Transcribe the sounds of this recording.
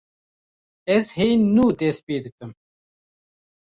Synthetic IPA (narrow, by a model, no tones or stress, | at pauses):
eshiːnːuːd̪eːspiːd̪ɨkɐm